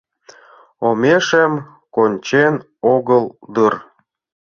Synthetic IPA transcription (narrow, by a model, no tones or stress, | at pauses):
omeʃem | konʲt͡ɕen | oɣəld̪ɨr